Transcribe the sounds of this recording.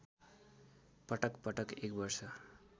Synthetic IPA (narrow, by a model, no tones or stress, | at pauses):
pʌʈʌkpʌʈʌkekbʌɾsʌ